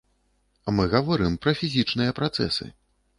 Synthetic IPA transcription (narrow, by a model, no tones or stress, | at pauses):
amɨɣɐvɔɾɨmpɾɐfʲizʲit͡ʂnɨjɐpɾat̪sɛ̰sɨ̰